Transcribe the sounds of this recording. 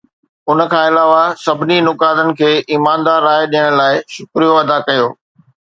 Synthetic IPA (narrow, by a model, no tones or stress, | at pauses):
ʊnə̆kʰãːɪlaːʋasɐbʱɪninʊkaːd̪ənɪ̆kʰeːʔiːmãːnd̪aːɾːaːɪɗijəɽ̃laːɪʃʊkɾijoɐd̪akɐjoː